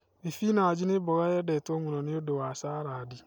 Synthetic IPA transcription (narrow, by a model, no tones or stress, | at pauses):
efinaad͡ʒɪnɪbɔɣajɛdɛtomunɔnɪodowasaːɾadɪ